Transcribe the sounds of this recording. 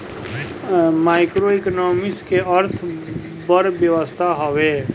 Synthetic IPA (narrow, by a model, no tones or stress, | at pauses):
maːɪkɾoiknoːmɪskeəɾt̪ʰ | bəɾʋjəʋəst̪ʰaɦoʋeː